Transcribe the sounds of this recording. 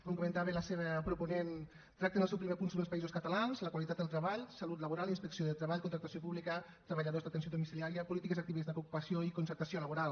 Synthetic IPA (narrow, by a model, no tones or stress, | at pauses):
koŋkumə̃nt̪aβeləseβəpɾupunen | t̪ɾak̚t̪enəlˠsɛwpɾimepunsuβəlspaizoskət̪alanzləkwalit̪at̪əlˠt̪ɾəβaʎsalut̪ləβuɾalˠinspəksioðət̪ɾəβaʎkunt̪ɾak̚t̪asjopuβlikə | t̪ɾəβəʎaðozðat̪ənsjoðumisiliaɾiəpulit̪ikezak̚t̪iβezd̪əkoukupəsioikunsəɾt̪asioləβuɾalˠ